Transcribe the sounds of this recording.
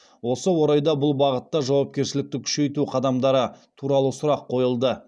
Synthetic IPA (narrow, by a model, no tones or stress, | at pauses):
wo̞səwo̞ɾɑjd̪ɑbʊlˠbɑʁət̪ːɑʒɑwɑp̚kʲe̞ɾʃɪlɪk̚t̪ɪkʲʰʏ̥ʃe̞jt̪uqʰɑd̪ɑmd̪ɑɾət̪ʰuɾɑlˠəsʊɾɑqʰːo̞jəlˠd̪ə